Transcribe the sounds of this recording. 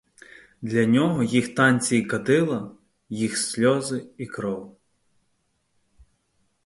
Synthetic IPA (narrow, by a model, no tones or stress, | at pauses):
d̪lʲɐnʲɔɦɔjixt̪ɑnʲt͡sʲijikɐd̪ɪlˠɐ | jixsʲlʲɔzɪikɾɔw